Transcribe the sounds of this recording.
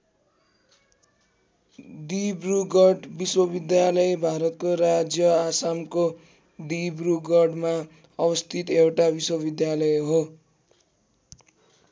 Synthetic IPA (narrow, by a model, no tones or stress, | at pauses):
d̪ibruɡʌɖbiswʌbid̪jalʌjbʱaɾʌt̪̚koɾad͡zjʌasamko | d̪ibruɡʌɖma | ʌbʌst̪ʰit̪ewʈabiswʌbid̪jalʌjeɦo